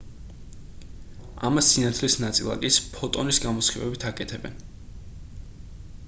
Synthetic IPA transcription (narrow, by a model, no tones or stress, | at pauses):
a̰masːinat̪ʰlisnat̪sʼilˠa̰kʼispʰɔt̪ʼɔnisɡamɔsχivɛ̰bit̪ʰakʼɛt̪ʰɛbɛ̰n